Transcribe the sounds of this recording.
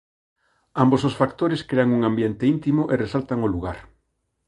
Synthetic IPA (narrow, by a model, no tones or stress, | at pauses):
ambos̬osfakt̪oɾeskɾeaŋuŋãmbjent̪eint̪imoʔeresalt̪aŋoluɣ̞aɾ